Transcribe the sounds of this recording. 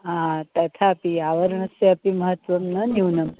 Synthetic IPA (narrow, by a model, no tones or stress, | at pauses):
ãt̪ɐt̪ʰaːpiaʋəɾəɳ̃əseɐpiməɦət̪ʋəmnəniwnəm